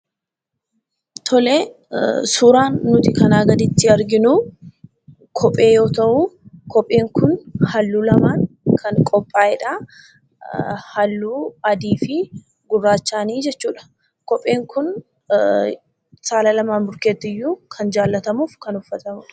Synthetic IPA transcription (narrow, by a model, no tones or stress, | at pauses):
t̪ʰɔleː | suːɾaːnːʊt̪ɪkɐnaːɡɐd̪ɪt̪ːɪɐɾɡɪnuː | kʰɔpʼːe̞ːjo̞ːt̪ɐʔʊkɔpʼːeːŋkʊnhɐlːuːlɐmaːŋkʰɐŋkʼɔpʼːaːɪᶑaː | hɐlːuːɐd̪iːfɪ | ɡʊrːaːt͡ʃːaːniːd͡ʒɛt͡ʃːuːᶑɐ̥ | kɔpʼːe̞ːŋkʊn | saːlɐlɐmaːnbʊɾke̞ːt̪ːɪjːuːkʰɐnd͡ʒaːlːɐt̪ɐmuːfkɐnʊfːɐt̪ɐmʊᶑɐ̥